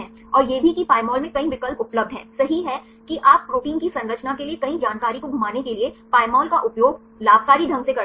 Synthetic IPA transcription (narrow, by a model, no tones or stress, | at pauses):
ɛ̃ː | ɔːɾjeːbʱikipaːɪmɔːlmẽkɐɦĩʋɪkəlpʊpləb̚d̪ʱɦɛ̰̃ːsɐɦiɦɛ | kiʔaːp̚ɡʱoːkɪ̃ŋkisɐ̃nɾət͡ʃnakeliekɐɦĩd͡ʒaːnkaːɾikobʱɐmaːnekeliepaːɪmɔːlkaʔʊpjoːɡ | laːbkaːɾid̪ʱɐ̃ŋɡsekɐ